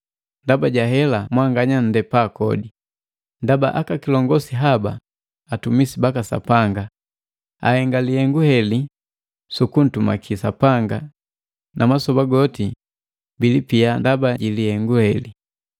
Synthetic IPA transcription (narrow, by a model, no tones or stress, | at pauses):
ndabaɟaɦɛlamwaŋɡaɲan̩dɛpakɔdi | ndaba̰ʔakakilɔŋɡɔsiɦaba̰ː | tumisibakasa̰paŋɡa | a̰hɛŋɡalihɛŋɡuhɛli | sukun̩tuma̰kʰisapaŋɡa | nʔamasɔbaɡɔti | bilipiandabaɟilihɛŋɡuhɛli